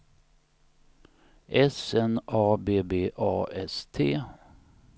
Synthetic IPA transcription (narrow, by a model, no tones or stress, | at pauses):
ʔɛsɛnɑːbeːbeːʔɑːɛst̪ʰeː